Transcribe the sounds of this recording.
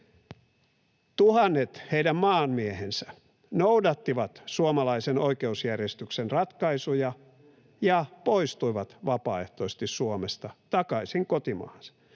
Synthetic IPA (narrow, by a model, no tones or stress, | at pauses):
t̪uhɑnːet̪heidæmmɑːnmiehensæ̥ | noudɑt̪ːiʋɑt̪suomɑlɑisenoikeusjærjest̪yksenrɑt̪kɑisujɑ | jɑpoist̪uiʋɑt̪ʋɑpɑːeht̪oise̥t̪issuomest̪ɑt̪ɑkɑisiŋkot̪imɑ̰ːɑnsɑ̥